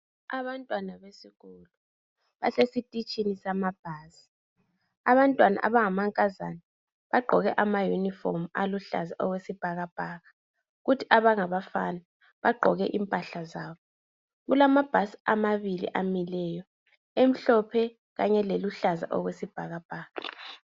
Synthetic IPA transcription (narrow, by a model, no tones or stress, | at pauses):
a̰βantʼwanaβesiɣulu | βaɬesitʼit͡ʃʼinisamab̥ʱaːsi̥ | aβantʼwana̰ʔaβaŋamaŋkʼaza̰na | βaɡ͡ǃʱɔɣɛʔamajunifɔ̰maluɬa̰zaʔɔɣwesib̥ʱaɣab̥ʱaːɣa | ɣutʰiaβaŋaβafana | βaɡ͡ǃʱɔ̰ɣɛʔimpʼaɬazaːβɔ | ɣulamab̥ʱasi̥amaβilḭʔamilɛjɔ | em̩ɬɔpʰɛ | ɣaɲɛleluɬaza̰ʔɔɣwesib̥ʱaɣab̥ʱaːɣa